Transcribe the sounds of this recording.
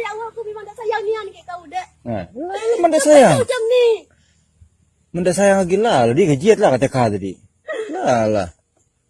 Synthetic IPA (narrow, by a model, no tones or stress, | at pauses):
iawakumimaŋdaʔsajaŋnianikakaudɛʔ | ŋalalaməndaʔsajaŋt͡ʃamnɪ | məndasajaŋaɡilaladikad͡ʒiat̪̚lahkat̪ɛkad̪adḭ | lala̰h